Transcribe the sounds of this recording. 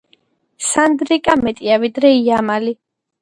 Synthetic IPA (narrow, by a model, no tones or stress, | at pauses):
sand̪ɾikʼamɛt̪ʼiavid̪ɾɛiamali